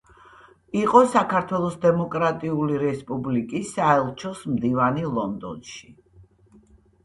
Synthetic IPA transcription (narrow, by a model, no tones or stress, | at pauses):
iqʼɔsakʰaɾt̪ʰwɛlˠɔsd̪ɛmɔkʼɾat̪ʼiuliɾɛspʼublikʼisaɛlˠt͡ʃʰɔsmd̪ivanilˠɔnd̪ɔ̰nʃi̥